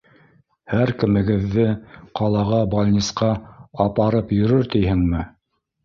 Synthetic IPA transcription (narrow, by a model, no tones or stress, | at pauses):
hæɾkɘ̆mɘ̆ɡɘ̆ðːɘqɑlˠɑʁɑbɐlʲnʲisqɑɑpɑɾɤpjɵ̆ɾɵɾt̪ijhɘŋmɘ